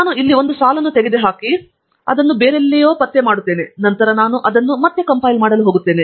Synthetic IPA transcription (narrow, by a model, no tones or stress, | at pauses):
aːnuilːio̞nd̪usaːlɐnːut̪eɡed̪eɦaːki | ɐ̰d̪ɐnːubeːɾelːijo̞ːpɐt̪ːemaːɽut̪ːeːne̞nɐnt̪ɐɾɐnaːnuʔɐd̪ɐnːumɐt̪ːekɐmpɐjlmaːɽɐluɦo̞ːɡut̪ːe̞ːne̞